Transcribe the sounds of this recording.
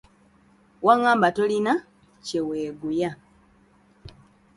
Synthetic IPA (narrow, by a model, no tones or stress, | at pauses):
waŋaːmbatolina | ceweːɡuja